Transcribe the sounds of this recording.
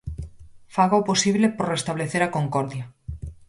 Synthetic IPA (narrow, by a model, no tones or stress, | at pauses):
faɣaoposiβlepoɾrest̪aβleθeɾakoŋkoɾðja